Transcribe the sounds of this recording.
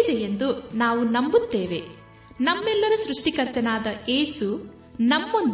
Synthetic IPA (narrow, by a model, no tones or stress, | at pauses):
id̪eend̪unaːʋunɐmbut̪ːeːʋe̞ | nɐmːɛlːɐɾusɾuʂʈikɐɾt̪ɐnaːd̪ɐʔeːsu | nɐmːo̞nd̪